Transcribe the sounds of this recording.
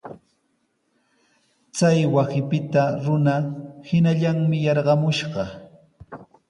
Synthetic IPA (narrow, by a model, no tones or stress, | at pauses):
t͡sajwasɪpɪt̪aɾʊnahɪnaʎaŋmɪjɑɾɢɑmʊʃɢɑ